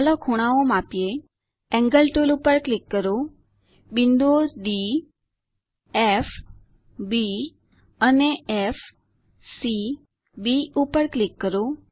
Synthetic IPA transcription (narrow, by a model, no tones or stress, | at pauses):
əlɔkʰoɽ̃aomapije | ɛ̃ŋɡəlʈolupəɾklikːəɾo | bind̪oɾɖi | ef | bi | əneef | si | biupəɾklikːəɾo